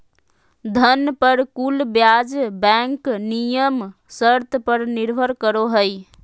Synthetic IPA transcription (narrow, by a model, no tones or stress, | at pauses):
d̪ʱənpəɾkulbjad͡ʒbɛ̃ŋknijəm | səɾt̪ʰpəɾniɾbʱəɾkəɾoɦəj